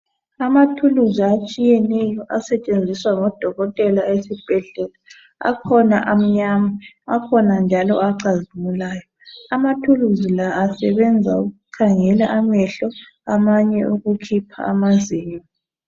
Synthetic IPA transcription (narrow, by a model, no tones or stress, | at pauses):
amatʰuluziat͡ʃʼijɛnɛjɔʔasɛt͡ʃʼend͡zʱiswaŋɔd̥ʱɔɣɔtʼɛlaesib̥ʱɛɮɛla | a̰kʰɔna̰ʔam̩ɲama | akʰɔnand͡ʒʱalɔ̰aǀazumulaːjɔamatʰuluzilaːsɛβɛnd͡zʱauɣukʰaŋɛlaʔamɛɬɔ | amaɲɛʔoɣukʰipʰa̰a̰maziːma